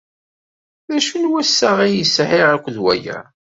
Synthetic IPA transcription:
ðæʃunwæsːaʁijəsʕiʁækʷːðwæ̰jæ̰

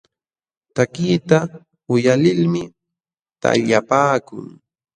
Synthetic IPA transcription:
t̪akiːt̪a | ʊjalɪlmɪ | t̪a̰ʎapaːkʊ̰ŋ

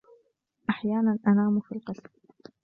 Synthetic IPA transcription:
ʔaħjaːnanʔanaːmfilqɑsb

